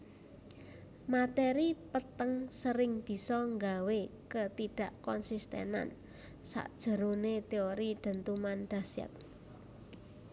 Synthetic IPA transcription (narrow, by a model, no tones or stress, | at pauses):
mat̪eɾipət̪əŋsəɾɪŋb̥i̤sɔŋɡawekət̪iɖ̥a̤ʔkɔnsist̪ḛna̰n | sa̰ʔd̥ʒ̥ə̤ɾonet̪eoɾiɖ̥ə̤nt̪umanɖ̥asɛ̰t̪̚